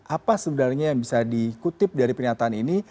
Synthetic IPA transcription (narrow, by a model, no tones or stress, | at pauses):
ʔapasəbənarɲajaŋbisadikut̪ɪp̚daɾipərɲat̪aːnini